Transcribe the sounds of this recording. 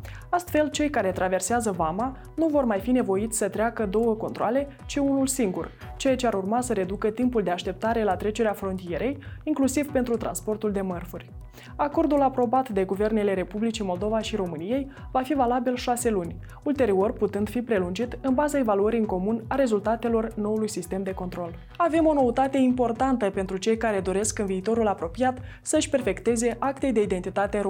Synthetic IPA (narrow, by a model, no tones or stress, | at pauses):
ast̪fe̞lt͡ʃe̞jkaɾe̞t̪ɾave̞rseazəvama | nuvo̞rmajfine̞vo̞it̪sʲsət̪ɾeakəd̪o̞wəko̞nt̪ɾoale̞ | t͡ʃiunulsiŋɡṵr | t͡ʃejat͡ʃeaɾurmasəɾe̞d̪ukət̪impuld̪e̞aʃt̪e̞p̚t̪aɾe̞lat̪ɾe̞t͡ʃe̞ɾeafɾo̞nt̪ije̞ɾe̞jiŋklusivpe̞nt̪ɾut̪ɾa̰nspo̞rt̪uld̪e̞mərfurʲ | ako̞rd̪ulapɾo̞bat̪d̪e̞ɡuve̞rne̞le̞ɾe̞publit͡ʃimo̞ld̪o̞vaʃiɾo̞mɨnije̞j | vafivalabilʃase̞lunʲ | ult̪e̞ɾio̞rput̪ɨnd̪fipɾe̞lund͡ʒit̪ɨnbazae̞valuəɾiɨŋko̞munaɾe̞zult̪at̪e̞lo̞rno̞ulujsist̪e̞md̪e̞ko̞nt̪ɾo̞l | ave̞mo̞no̞ut̪at̪e̞impo̞rt̪ant̪əpe̞nt̪ɾut͡ʃe̞jkaɾe̞d̪o̞ɾe̞skɨnviːt̪o̞ɾulapɾo̞pijat̪ | səʃʲpe̞rfe̞kt̪e̞ze̞ʔakt̪e̞jd̪e̞id̪e̞nt̪it̪at̪e̞ɾ